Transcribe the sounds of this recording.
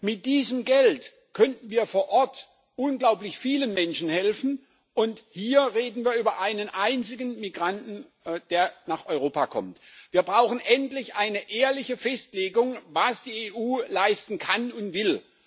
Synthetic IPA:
mɪt̚d̥iːzəmɡɛlt | kʰœntn̩viːɐfoːɐʔɔɐt | ʔʊnɡlaʊplɪçfiːlənmɛnʃn̩hɛlfn̩ | ʔʊnthiːɐʁeːdn̩viːɐyːbɐʔaɪnənʔaɪnt͡sɪɡən̩miɡʁantn̩ | d̥eːɐnaːχʔɔʏʁoːpakʰɔ̰mtv̥iːɐbʁaʊxn̩ʔɛntlɪçʔaɪnəʔeːɐlɪçəfɛstleːɡʊŋvasd̥iːeːʔuːlaɪstn̩kʰanʊntv̥ɪl

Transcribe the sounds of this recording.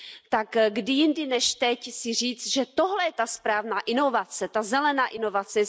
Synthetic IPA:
t̪akɡdɪjɪndɪnɛʃt̪ɛcsɪr̝iːt͡st̪ʒɛt̪oɦlɛjɛt̪aspɾaːvnaːʔɪnovat͡sɛt̪azɛlɛnaːʔɪno̞vat͡sɛ

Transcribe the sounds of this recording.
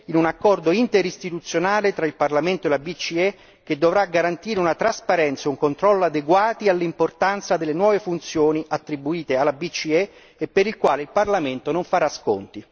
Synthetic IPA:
inunakːɔrd̪oint̪eɾist̪it̪ut̪sːjonaːlet̪ɾailparlament̪oelabit͡ʃːiɛ | k̟ːed̪ːovɾaɡaɾant̪iːɾeunat̪ɾaspaɾɛnt̪sauŋkont̪ɾɔlːoad̪eɡwaːt̪ialːimport̪ant̪sad̪elːenwɔːvefunt̪sjoːniʔat̪ːɾibuiːt̪ealːabit͡ʃːiɛ | epːeɾilkwaːleilparlament̪onoɱfaɾasko̰nt̪i

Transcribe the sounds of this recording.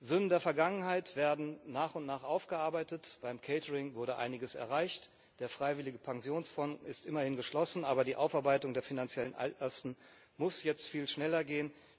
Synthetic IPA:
zʏnəndeːɐfɛɐɡaŋənɦaɪtv̥eːɐdn̩naːχʊntnaːχʔaʊfɡ̥əʔaɐbaɪtətb̥aɪmkʰɛɪtəʁɪŋvʊɐɾəʔa̰ɪnɪɡəsɛ̰ɐʁaɪçt | d̥eːɐfʁ̥aɪvɪlɪɡəpʰaŋzjoːnsfɔnɪstʔɪmɐhɪnɡəʃlɔsn̩ʔaːbɐdiːʔaʊfaɐbaɪtʊŋdeːɐfinant͡sjɛlənʔa̰ltɐstn̩ | mʊsjɛt͡stfiːlʃnɛlɐɡeːən

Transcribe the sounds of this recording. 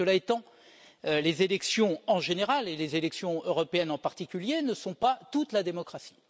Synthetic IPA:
əlaet̪ɑ̃ | ølezelɛksjɔ̃ɑ̃ʒeneʁalelezelɛksjɔ̃øʁɔpeɛnɑ̃paʁt̪ikʲyljenəsɔ̃pat̪ut̪lad̪emɔkχasi̥

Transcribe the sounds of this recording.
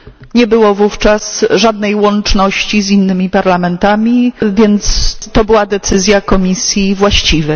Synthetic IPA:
ɲɛbɘwɔvuft͡ʂasʐad̪nɛjwɔnt͡ʂnɔɕt͡ɕizinːɘmʲipaɾlamɛnt̪amʲivʲjɛnt̪st̪ɔbɘwad̪ɛt̪sɘzʲjakɔmʲisʲjivwaɕt͡ɕivɛj

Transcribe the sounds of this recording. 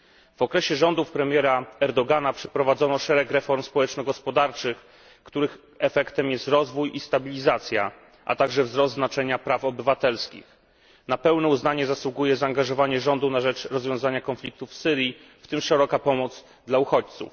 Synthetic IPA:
v̥ɔkɾɛɕɛʐɔnd̪ufpɾɛmʲjɛɾaɛɾd̪ɔɡanapʂɛpɾɔvad̪zɔnɔʂɛɾɛkɾɛfɔɾmspɔwɛt͡ʂnɔɡɔspɔd̪aɾt͡ʂɘx | kt̪uɾɘx | ɛfɛkt̪ɛmjɛst̪ɾɔzvujist̪abʲilʲizat̪sʲja̰ | ʔa̰t̪aɡʐɛvzɾɔst̪znat͡ʂɛɲapɾafɔbɘvat̪ɛlskʲḭx | napɛwnɛuznaɲɛzaswuɡujɛzaːŋɡaʐɔvaɲɛʐɔnd̪unaʐɛt͡ʂɾɔzvʲjɔ̃w̃zaɲakɔnflʲik̚t̪ufsɘɾji | ft̪ɘmʂɛɾɔkapɔmɔd̪z | d̪lauxɔt͡ɕt̪sṵf

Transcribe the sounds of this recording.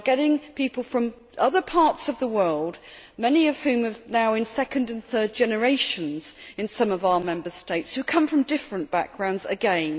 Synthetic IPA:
ɡ̥ɛɾɪ̃ŋpipəlˠfɹʌ̃m | ʔʌðəpʰɑɹtsʌvðəwɜ˞lˠd | mɛniʌv̥hʉ̃məvnaʊɨ̃nsɛkɨ̃ndɨ̃nθɜ˞d̚d͡ʒɛnə˞eɪʃə̃nz̥ɨ̃nsʌ̃mʌvaʊəmɛ̃mbəsteɪtshʉkʰʌ̃ɱfɹə̃mdɪfɹə̃nb̥a̰k̚ɡ̥ɹãʊ̃ndzɨ̰ɡɛ̃n

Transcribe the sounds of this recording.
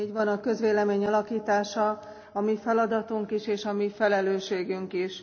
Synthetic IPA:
iːɟʋɒnɒkø̞zʋeːlɛmeːɲɒlɒkiːt̪aːʃɒ | ɒmifɛlɒd̪ɒt̪uŋkiʃeːʃɒmifɛlɛløːʃeːɡyŋkiʃ

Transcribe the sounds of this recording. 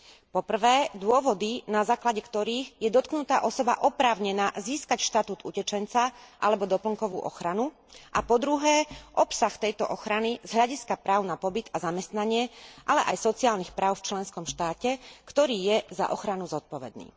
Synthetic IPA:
pɔpr̩ʋɛːd̪ʊɔʋɔd̪inazaːklaɟɛkt̪ɔɾiːɣjɛd̪ɔt̪knut̪aːʔɔsɔba̰ʔɔpɾaːʊɲɛnaːziːskacʃt̪at̪uːt̪ucɛt͡ʃɛnt͡saʔa̰lɛbɔd̪ɔpl̩ŋkɔʋṵːʔɔ̰xɾanu | ʔapɔd̪ɾuɦɛːʔɔpsaxt̪ɛjt̪ɔ̰ʔɔxɾanizɦʎaɟiskapɾaːʊnapɔbid̪azamɛst̪naɲɪɛʔalɛʔajsɔt͡siaːlnixpɾaːʊft͡ʃlɛnskɔmʃt̪aːcɛkt̪ɔɾiːjɛza̰ʔɔxɾanuzɔt̪̚pɔʋɛ̰d̪̚nḭː

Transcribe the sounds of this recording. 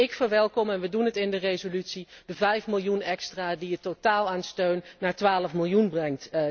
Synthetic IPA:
ɪkfəɹʋɛlˠkɔmɛnʋədunɦətɪndərejzolytsid̥əvɛjfmɪlˠjunɛkstraːdiətotaːlˠaːnstøɥnːaːɹtʋaːləfmɪlˠjunbrɛŋt

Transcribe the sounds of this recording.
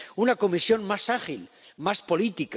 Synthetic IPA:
unako̞misjo̞nmasaχilmaspo̞lit̪ik

